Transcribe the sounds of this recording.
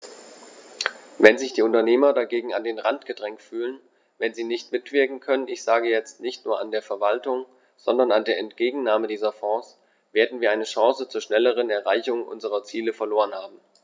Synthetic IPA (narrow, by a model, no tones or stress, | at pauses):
vɛnzɪçd̥iːʊntɐneːmɐdaɡeːɡŋ̩andeːnʁantɡ̥ədʁɛŋktfyːlən | vɛnziːnɪçtmɪtv̥ɪɐkŋ̩kʰœnənɪçz̥aːɡəjɛt͡stnɪçtnuːɐʔandeːɐfɛɐvaltʊŋ | z̥ɔndɐnandeːɐɛntɡ̥eːɡŋ̩naːmədiːzɐfɔːs | v̥eːɐdn̩viːɐaɪnəʃɑ̃ːsət͡suːɐʃnɛləʁ̞ənɛɐʁaɪçʊŋʔʊ̰nzəʁɐt͡siːləfɛɐloːʁənhaːbm̩